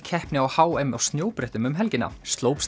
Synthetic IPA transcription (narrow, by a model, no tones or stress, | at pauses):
cʰɛhpnɪawhaːwejmawst̪njoːwpɾɛht̪ʏmʏmɦɛlcɪnːa̰st̪loːwps